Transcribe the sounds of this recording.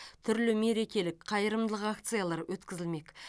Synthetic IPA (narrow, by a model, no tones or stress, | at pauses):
t̪ʰʏɾlɪme̞ɾe̞kʲe̞lɪkqʰɑjəɾəmd̪əlˠəqakt̪sɨjalˠɑɾwʔɵt̪kʲɪzɪlme̞kʲ